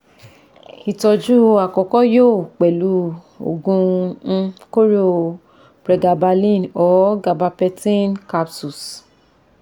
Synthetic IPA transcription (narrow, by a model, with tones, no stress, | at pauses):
i˨tɔ˧d͡ʒu˦a˨kɔ˨kɔ˦joː˦˨k͡pɛ˨lu˨˦ | o̰˨ɡũ˧ | ko˦ɾo˨ | b̥ɾɛ˧ɡa˧ba˧lĩ˦˨nɔ˨˦ɡa˨ba˧pɛ˧tĩ˦nka˧psu˨s